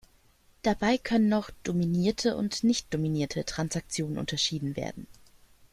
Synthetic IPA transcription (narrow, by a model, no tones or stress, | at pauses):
d̥abaɪkʰœnənːɔχd̥ominiːɐtʰəʔʊ̰ntnɪçt̚d̥ominiːɐtʰətʁ̥ansak̚t͡sjoːnənʔʊ̰ntɐʃiːdn̩vḛːɐdn̩